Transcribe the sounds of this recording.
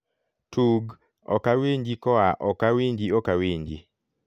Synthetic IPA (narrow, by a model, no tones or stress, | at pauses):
tʰuɡ | ɔ̰kaweɲd͡ʒikɔaʔɔkawiɲd͡ʒiɔkaweɲd͡ʒi